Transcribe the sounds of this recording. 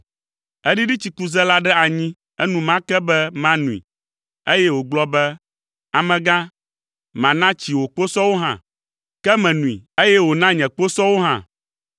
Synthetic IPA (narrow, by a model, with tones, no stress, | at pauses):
ɛ˦ɖi˦ɖi˦t͡ɕi˨ku˦zɛ˦la˦ɖɛ˦a˨ɲĩ˦ | ɛ˦nũ˦mã˦kɛ˦bɛ˦mã˦nũ˨ḭ˨ | e˦jɛ˦wo˨ɡ͡blɔ˦bɛ˦ | a˨mɛ̃˨ɡã˦ | mã˨nã˦t͡ɕi˨wo˨k͡po˦sɔ˦wo˦ɦã̰˦˨ | kɛ˦mɛ̃˨nũ˨ḭ˨e˦jɛ˦wo˨nã˦ɲɛ̃˨k͡po˦sɔ˦wo˦ɦã̰˦˨